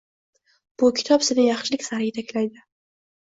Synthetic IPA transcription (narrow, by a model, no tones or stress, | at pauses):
b̥ʊkʲʰɪ̥t̪ʰɒpsɪnɪjɑχʃɪlɪkʲsaɾɡʲet̪ʰakʲlajd̪ɪ